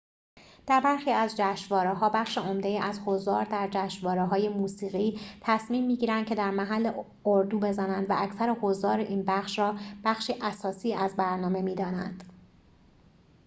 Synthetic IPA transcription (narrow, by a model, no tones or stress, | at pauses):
d̪̥æɾbæɾxiːæzd͡ʒæːʃvɒːɾeɦɒːbæχʃeomd̪ejiːʔæzhozɒːɾd̪æɾd͡ʒæːʃvɒːɾeɦɒːje̞muːsiːɣiːt̪ʰæsmiːmːiːɟiːɾænd̪̚cʰe̞d̪æɾmæɦælːe | oɾd̪uːbe̞zænænd̪væʔæcʰsæɾehozd̪ɒːɾeʔiːnbæχʃɾɒːb̥æχʃiːʔæsɒːsiːæzbæɾnɒːme̞miːd̪ɒːnæ̰nd̪̥